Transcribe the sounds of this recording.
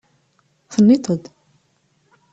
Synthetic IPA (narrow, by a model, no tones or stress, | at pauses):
θənːit̪ʰˤəd̪